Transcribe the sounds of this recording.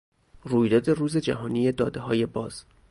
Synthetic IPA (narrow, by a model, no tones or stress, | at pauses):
ruːjd̪ɒːd̪e̞ruːzed͡ʒæ̰ɦɒːniːjed̪ɒːd̪eɦɒːje̞bɒːz̥